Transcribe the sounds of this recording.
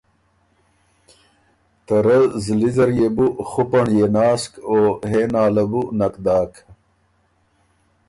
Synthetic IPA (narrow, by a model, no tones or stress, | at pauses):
t̪ɐɾɐzlizɐɾjebuχupɐɳjenaːskoːɦenaːlɐbunɐkd̪aːkʰ